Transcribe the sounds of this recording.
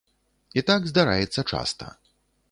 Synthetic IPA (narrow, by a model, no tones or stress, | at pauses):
it̪aɡzd̪aɾa̰jɛt̪sːɐt͡ʂa̰st̪ɐ̰